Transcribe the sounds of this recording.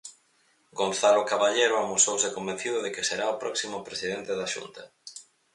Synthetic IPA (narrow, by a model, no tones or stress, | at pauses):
ɡonθalʊkaβaʎeɾoamosowsɪkombẽn̟θiðʊðekɪseɾaʊpɾɔksimʊpɾesiðent̪eðaʃṵnt̪ɐ